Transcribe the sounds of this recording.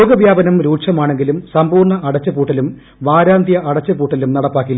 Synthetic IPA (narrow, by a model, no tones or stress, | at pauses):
oːɡɐʋjaːbɐnɐmɾuːʈʂɐmaːɳe̞ŋɡilumsɐmbuːrɳɐʔɐɽɐt͡ɕːɐpuːʈːɐlum | ʋaːɾaːnd̪ʱjɐʔɐɽɐt͡ɕːɐpuːʈːɐlumnɐɽɐpːaːkːilː